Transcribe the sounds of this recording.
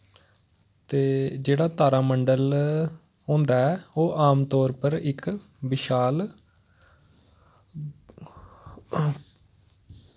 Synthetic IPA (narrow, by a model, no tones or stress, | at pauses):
t̪eːd͡ʒeːɽaːt̪aːɾaːməɳɖəl | ɦõːnd̪aːɛːoːʔaːmt̪ɔːɾpəɾɪk | bɪʃaːl